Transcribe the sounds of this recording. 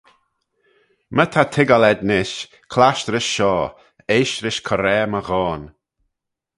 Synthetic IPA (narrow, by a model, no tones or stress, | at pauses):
mət̪ʰat̪ʰɪɡalɛd̪nɪʃ | kʰlaʃtɾɪʃʃɔː | eːʃɾɪʃkʰɔɾɛːməɣɔːn